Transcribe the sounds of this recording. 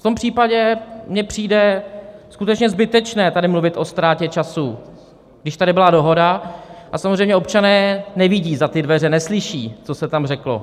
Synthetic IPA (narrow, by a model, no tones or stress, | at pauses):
ft̪ompr̥iːpaɟɛmɲɛpr̝̥iːdɛskut̪ɛt͡ʃɲɛzbɪt̪ɛt͡ʃnɛːt̪adɪmluvɪt̪ʔo̞st̪ɾaːcɛt͡ʃasu | ɡdɪʃt̪adɪbɪladoɦo̞daʔasamozr̝ɛjmɲɛo̞p̚t͡ʃanɛːnɛvɪɟiːzat̪ɪdvɛr̝ɛnɛslɪʃiːt͡so̞sɛt̪amrɛklo̞̰